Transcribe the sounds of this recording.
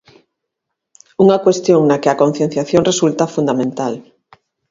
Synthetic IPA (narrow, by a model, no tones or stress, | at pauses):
uŋakwest̪joŋnakeakon̟θjen̟θjaθjõŋresult̪afund̪amẽnt̪al